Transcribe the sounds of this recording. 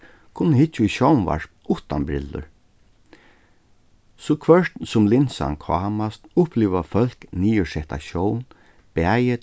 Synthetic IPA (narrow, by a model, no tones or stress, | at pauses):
kʰʊnːəhɪt͡ʃːiʃɔwnva̰ɹpnʊht̪anbɾɪ̰lːʊ̰ɹ | sɔkʰvœʂt̪nsʊmlɪnsa̰nkʰɑːmast̪ʊhpliːʋafœl̥kniːʊsɛht̪a̰ʃɔwn | b̥æːjə